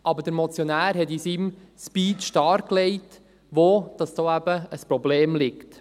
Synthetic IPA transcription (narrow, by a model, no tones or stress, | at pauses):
ʔɑbəɾd̥əɾmɔt͡sjonæːɾɦɛtisim | spiːtʃtɑːɾkːlɛɪt | ʋoːd̥ɑsd̥oːæb̥əəspɾɔbleːmlɪkt